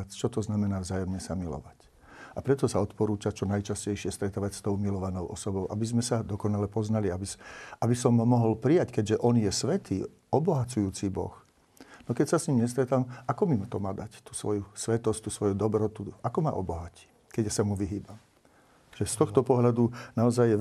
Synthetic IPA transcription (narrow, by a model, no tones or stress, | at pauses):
t͡ʃɔt̪ɔznamɛnaːvzaːjɔmɲɛsamilɔ̰ʋac | apɾɛt̪ɔsaɔt̪pɔɾuːt͡ʃat͡ʃɔnajt͡ʃascɛjʃɪɛst̪ɾɛt̪aːʋacst̪ɔʊmilɔʋanɔʊʔɔsɔbɔʊʔabizmɛsad̪ɔkɔnalɛpɔznaliabisʔabisɔmːɔɦɔlpɾijackɛɟʒɛʔɔnjɛsʋɛt̪iː | ɔbɔɦat͡sujuːt͡sibɔ̰x | nɔkɛcsasɲimɲɛst̪ɾɛt̪amakɔmimt̪ɔmaːd̪act̪u̥sʋɔjusʋɛt̪ɔsct̪usʋɔjud̪ɔbɾɔt̪uakɔma̰ʔɔbɔɦaci̥ | kɛɟasamuʋiɦiːbam | ʒ̥ɛst̪ɔxt̪ɔpɔɦʎad̪unaɔzajːɛ